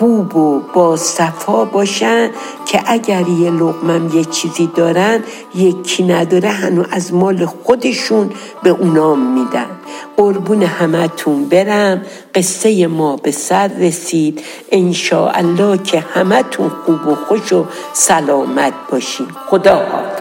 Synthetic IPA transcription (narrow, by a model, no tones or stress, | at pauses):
xuːbob̥ɒːsæfɒːbɒːʃænd̪ | cʲʰeʔæɟæɾjeloɣmæmjet͡ʃʰiːziːd̪ɒːɾænd̪ | jekʰːiːnæd̪ɒːɾeɦænuʔæzmɒːle̞xod̪e̞ʃun | be̞ʔunɒːmːiːd̪æ̰nd̪̥ʔoɾbuːnehæmæt̪ʰunbe̞ɾæm | ɢe̞sːe̞je̞mɒːbe̞sæɾːesiːd̪̥ | ʔenʃɒ̰ːʔæ̰lːɒːcʰe̞hæmæt̪ʰunxuːboxoʃo | sælɒːmæt̪̚ʰb̥ɒːʃiːmxod̪ɒ̰ː